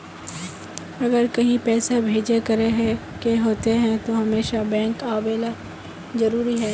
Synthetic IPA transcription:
ɐɡəɾkɐɦĩpɛːsabʱeːd͡ʒekɐɾeɦɛ̃ | keɦoːt̪eɦɛ̃t̪oɦɐmeːʃabɛ̃ːŋkaːbeːla | zɐɾuːɾiɦɛː

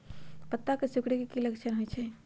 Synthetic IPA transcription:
pət̪ːakesukɽekekiləkt͡ʃʰənɦojt͡ʃʰɛ

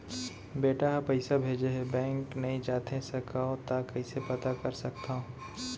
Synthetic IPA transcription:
beːʈaɦɐpɐɪsabʱeːd͡ʒeɦɛbɛ̃ːŋknɐɦĩd͡ʒaːt̪ʰesɐkaõt̪akɐɪsepɐt̪akɐɾsɐkt̪aõ

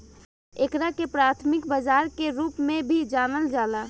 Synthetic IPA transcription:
ekɾakepɾaːt̪ʰmɪkbəd͡ʒaːɾkeɾuːpmẽbʱid͡ʒaːnəld͡ʒaːla

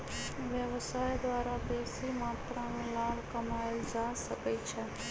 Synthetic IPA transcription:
ʋjəʋsaːjd̪waːɾabeːsimaːt̪ɾãnũːlaːlkɐmaːld͡ʒaːsəkəit͡ʃʰɛ

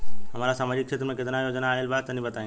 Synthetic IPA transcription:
ɦɐmaːɾasaːmaːd͡ʑɪkʃʰet̪ɾmẽkɪt̪ɪnaːjod͡ʑənaaːɪlbaːt̪ːɐnĩbɐt̪aːĩ

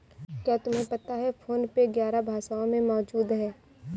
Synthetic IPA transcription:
kjaːt̪ʊmɦẽpɐt̪aɦɛfʰoːnpeɡjaːɾabʱaːsaõmẽmɔːd͡ʒuːd̪ɦɛː

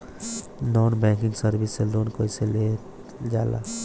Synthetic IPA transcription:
nɔnbɛ̃kiŋɡsəɾbʱisːelonkoisele | d͡ʒala̰

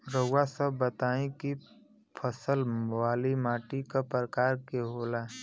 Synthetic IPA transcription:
ɾəasəbːət̪aːĩki | pʰəsəlwaːlimaːʈikapɾəkaːɾkeɦoːla

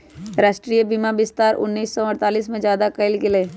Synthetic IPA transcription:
ɾaːʃʈɾijəbimabɪst̪aːɾʔʊ̰nːiːsːɔɐɾt̪aːliːsmẽd͡ʒjaːd̪akɐɪlkeleː

